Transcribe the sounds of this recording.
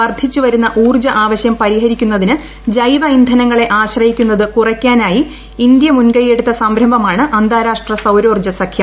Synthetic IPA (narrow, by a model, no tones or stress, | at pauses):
ʋɐrd̪ʱit͡ɕːuʋɐɾunːɐʔuːrd͡ʑɐʔaːʋɐɕjɐmpɐɾiɦɐɾikʲːunːɐðinɨ | d͡ʑɐjʋɐind̪ʱɐnɐŋːɐɭe̞ʔaːɕrɐjikʲːunːɐðɨkurɐkʲːaːnaːji | ind̪jɐmunɡɐjeɽut̪ːɐsɐmbɾɐmbʱɐmaːɳɨʔɐnd̪ʱaːɾaːʂʈrɐsɐwɾo̞ːrd͡ʑɐsɐkʰjɐ